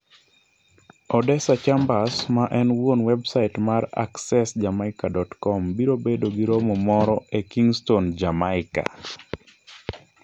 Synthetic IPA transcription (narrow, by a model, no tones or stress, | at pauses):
ɔdɛsat͡ʃambasmaʔɛnwonwɛbsaitmaɾa̰ksɛsd͡ʒamaɪkadɔtkɔmbiɾobedoɡiɾomɔmɔɾɔekiŋstond͡ʒamaɪka̰